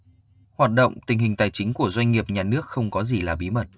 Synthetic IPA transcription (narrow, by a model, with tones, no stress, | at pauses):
hwaː˨˩t̚ɗo̰˧˨wŋ͡mt̪ï˨˩ŋ̟ɦï˨˩ŋ̟t̪aː˨˩jt͡ɕï˨˦ŋ̟ku˧˩əzwa˧jŋ̟ŋi˨˩əp̚ɲaː˨˩nɨ˦˥ək̚xə˧wŋ͡mkɔ˨˦zi˨˩laː˨˩ɓi˨˦mə˨˩t̚